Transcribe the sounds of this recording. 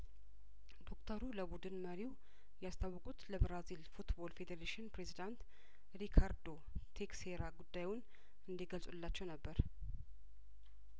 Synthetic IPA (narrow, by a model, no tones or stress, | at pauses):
d̪o̞kt̪ʰəɾuləbud̪ɨnməɾiw | jɛast̪ʰawːɔkʼut̪ləbɾazilfut̪bo̞lfe̞d̪eɾeʃinpɾe̞zid̪ant̪ | ɾikʰaɾd̪o̞ | t̪ʰe̞kseɾaɡud̪ːajʊn | ɨnd̪iɡəlsʼulːat͡ʃːɛwnəbːəɾ